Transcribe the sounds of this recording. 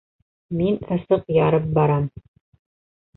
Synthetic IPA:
minɤ̆sɤqjɑɾɤp̚bɑɾɑm

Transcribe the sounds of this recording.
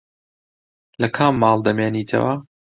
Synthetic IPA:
lɐkʰamːɑːlˠd̪ɐmeːniːt̪ʰɐ̰wɐ

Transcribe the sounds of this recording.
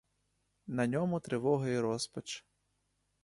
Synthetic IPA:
nɐnʲɔmʊt̪ɾɪʋɔɦɐjiɾɔspɐt͡ʃ

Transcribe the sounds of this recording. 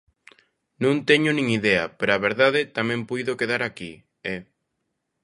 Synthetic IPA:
nũnt̪ɛɲʊnĩŋiðɛɐ̰peɾoaβeɾðaðɪt̪amɛ̃mpujðokeðaɾaki | ɛ

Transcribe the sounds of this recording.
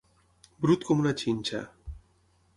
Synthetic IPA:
bɾut̪komunat͡ʃiɲt͡ʃa̰

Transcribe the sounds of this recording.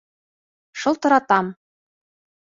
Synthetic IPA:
ʃolˠt̪ŏɾɑt̪ɑm

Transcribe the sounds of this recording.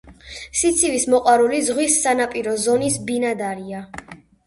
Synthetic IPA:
sit̪sʰivismɔqʼwaɾulizʁwisːanapʼiɾɔzɔnisbinad̪aɾia

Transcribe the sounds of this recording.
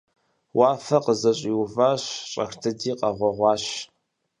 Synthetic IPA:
wʔɑːfɐqəzɐɕʼiwʊvaːɕɕʼɐ̰xtʰɨdiːqɐʁʷɔʁʷɑːɕ

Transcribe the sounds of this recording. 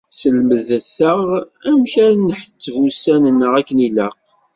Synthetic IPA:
səlməðəθəʁæmçænːəħt͡sːəvusænənːəʁækːəniləq

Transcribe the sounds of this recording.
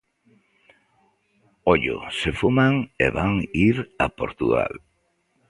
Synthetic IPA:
oʎo̰sefumaŋḛβaŋiɾa̰poɾt̪uɣa̰l

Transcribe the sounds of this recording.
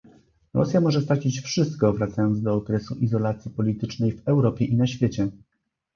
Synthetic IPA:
ɾɔ̰sʲjamɔʐɛst̪ɾat͡ɕit͡ɕfʂɘst̪kɔvɾat̪sajɔnd̪zd̪ɔːkɾɛsuʔizɔlat̪sʲjipɔlʲit̪ɘt͡ʂnɛjvɛwɾɔpʲjɛʔinaɕfʲjet͡ɕɛ

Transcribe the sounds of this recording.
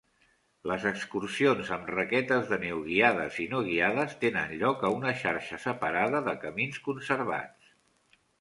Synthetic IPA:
ləzəkskursionzəmrəkɛt̪əzðənewɣiaðə̰zinoɣ̞iaðəst̪enə̰nʎɔkəunəʃaɾʃəsəpəɾaðəðəkəminskunsəɾβa̰t͡s

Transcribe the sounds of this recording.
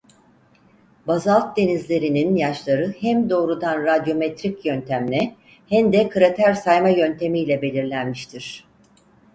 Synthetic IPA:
bazalˠt̪̚d̪e̞nizlʲe̞ɾininjaʃlˠaɾɯhæmd̪o̞ːɾud̪anɾad̪jo̞mɛt̪ɾicjønt̪ʰæmnʲɛ | hæmd̪ɛkʰɯɾat̪ʰæɾsajmajø̞nt̪ʰe̞mijlʲɛbe̞lʲiɾlʲænmiʃt̪ʰiɾ̥

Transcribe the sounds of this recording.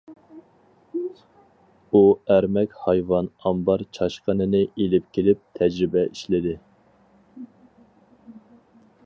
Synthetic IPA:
uæɾmɛkʲhɑjvɑnɑmbɑɾt͡ʃʰɑʃqənɨnɨelɪp̚kʲʰelɪp̚t̪ʰɛd͡ʒɾɪbɛʔiʃlɪd̪ɪ

